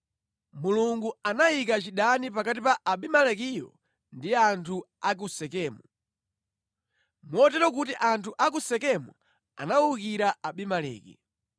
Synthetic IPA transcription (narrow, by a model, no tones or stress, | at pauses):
muluŋɡuanaikat͡ʃiɗanipakatipaʔːɓimalɛkijɔ̰ | ndiantʰu | ak̬usɛkɛːmu | mwɔtɛɾɔk̬utiʔantʰuʔak̬usɛkɛmu | a̰naukiɾaʔaɓimalɛ̰ːkḭ